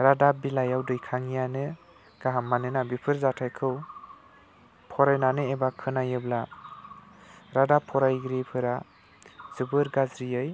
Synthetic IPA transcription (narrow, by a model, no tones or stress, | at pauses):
ɾadabilajawdɯjkʰaŋijanɯ | ɡ̥aɦamːanɯnabipʰɯɾzatʰajkʰɯw | pʰɔɾajnanɯebakʰɯnajɯbla | ɾadapʰɔɾajɡɾipʰɯɾa | zɯbɯɾɡazɾijɯj